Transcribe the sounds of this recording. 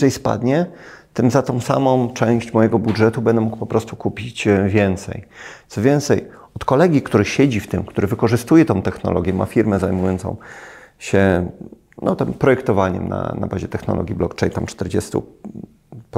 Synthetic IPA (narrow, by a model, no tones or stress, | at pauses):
ɛjspa̰d̪ɲɛt̪ɘmzat̪ɔ̃w̃sa̰mɔ̃w̃t͡ʂɛ̃w̃ɕt͡ɕmɔjɛɡɔbudʐɛt̪ubɛnd̪ɛmukpɔpɾɔst̪ukupʲit͡ɕvʲjɛnt̪sɛ̰jt̪sɔvʲjɛnt̪sɛj | ɔt̪kɔlɛɡʲikt̪uɾɘɕɛd͡ʑift̪ɘmkt̪uɾɘvɘkɔʐɘst̪ujɛt̪ɔ̃w̃t̪ɛxnɔ̰lɔɡʲjɛma̰fʲiɾmɛzajmujɔnt̪sɔ̰̃w̃ɕɛ | nɔt̪ɛmpɾɔjɛkt̪ɔvaɲɛ̰mna̰na̰baʑɛt̪ɛxnɔ̰lɔ̰ɡʲiblɔkt͡ʂɛjnt̪amt͡ʂt̪ɛɾd͡ʑɛst̪ṵ | p